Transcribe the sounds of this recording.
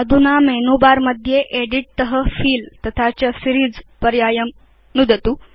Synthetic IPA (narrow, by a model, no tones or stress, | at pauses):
əd̪ʱunamenubaɾməd̪ʱjeʔeɽiʈ̚t̪əɦəfiːlt̪ɐt̪ʰat͡ɕəsiɾiːd͡zpəɾjajəm | nud̪ət̪u